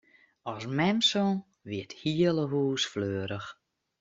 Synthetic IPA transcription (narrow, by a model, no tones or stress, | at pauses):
ɔsmɛmsɔn | ʋɪəthiələɦuːsfløːəɾəx